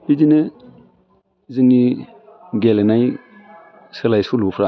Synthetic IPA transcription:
bid͡ʒinɨ | zɨŋi | ɡelnaj | sɨlajsulupʰɾa

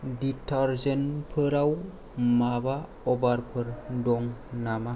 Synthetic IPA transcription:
ditʰaɾzenpʰɯɾaw | maba | ɔbaɾpʰɯɾdɔŋnama

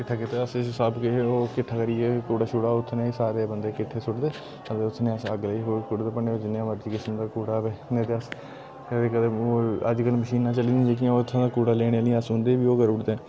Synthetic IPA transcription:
kɪʈʰːaːkɪt̪eːəssəbkeeoːkɪʈʰːaːkəɾiːɛːkuːɽaːʃʊɽaːʊt̪ʰːnẽːsaːɾeːbənd̪eːkɪʈʰːeːsʊʈd̪eː | əd̪eːʊt̪ʰːneːəsəɡliːɦoːkʊɽd̪eːpəɳeːod͡ʒɪnːãːməɾd͡ʒiːkɪsəmd̪aːkuːɽaːbeːned̪eəs | ed̪eːkəd̪eːoːə̰d͡ʒkəlməʃiːnãːt͡ʃəliːd̪ĩd͡ʒeːk̬jãt̪ʰːãːd̪aːkuːɽaːleːɽ̃eliəsʊ̃nd̪eːbiːoːɡəɾʊʈd̪eː

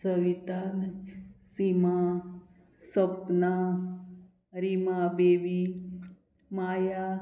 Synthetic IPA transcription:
səʋit̪ansima | səpna | ɾimabeʋi | maːja

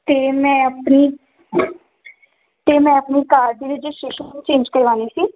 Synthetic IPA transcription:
t̪eːmɛ̃ːəpniː | t̪eːmɛ̃ːəpniːkaːɾd̪iːʋɪt͡ʃʃɪʃət͡ʃẽːnd͡ʒkəɾiʋaːniːsiː

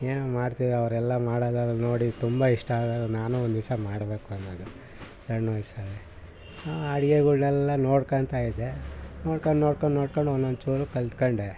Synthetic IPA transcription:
eːnumaːɽt̪id̪ɾɐʋɐɾɛlːɐmaːɽɐːd̪aːd̪ɐlno̞ːɽit̪umbɐiʂʈɐaːɡad̪unaːnuond̪isɐmaːɽbe̞ːkuɐnːod̪u | sɐɾnɐjsale | aaɽiɡeɡuɭnɛlːɐnoːɽkɐɳt̪aːjid̪enoːɽkɐɳɖnoːɽkoɳɖnoːɽkoɳɖonːond̪t͡ʃuːɾukɐlt̪koɳɖe

